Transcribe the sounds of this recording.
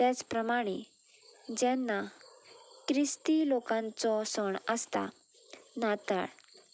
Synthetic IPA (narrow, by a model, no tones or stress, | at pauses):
t̪ɛt͡spɾəmaɽ̃e | d͡ʑɛ̃nːa | kɾist̪ilokãnt͡sɔsɔɳəst̪a̰ | nat̪a̰ɽ